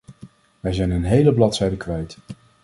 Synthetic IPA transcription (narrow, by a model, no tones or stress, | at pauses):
ʋɛjzɛjnənɦejləblɑtsɛjdəkʋɛjt